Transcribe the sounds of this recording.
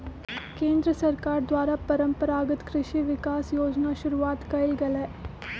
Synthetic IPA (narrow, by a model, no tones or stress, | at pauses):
keːnd̪ɾəsɐɾkaːɾd̪ʋaːɾaːpɐɾəmpəɾaːɡət̪kɾɪʃiʋikaːsjoːd͡ʒnaʃuɾuʋaːt̪kɐilɡɐlɛː